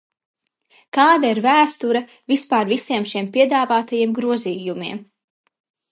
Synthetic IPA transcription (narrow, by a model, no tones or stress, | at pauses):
kaːd̪aiɾvæːst̪uɾɐ | vispaːɾvisiɛmʃiɛmpiɛd̪aːvaːt̪ajiɛmɡɾuɔziːjumḭɛm